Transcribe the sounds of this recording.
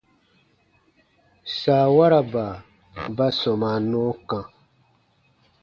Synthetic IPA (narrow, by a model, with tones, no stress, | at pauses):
saː˨wa˦ɾa˨baː˨ | ba˦sɔ˨ma˨nɔ̃ː˦kã˦